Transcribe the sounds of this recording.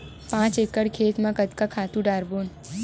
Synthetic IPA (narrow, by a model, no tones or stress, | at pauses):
pãt͡ʃekəɽkʰet̪mãkət̪kakʰat̪ũɖaɾbon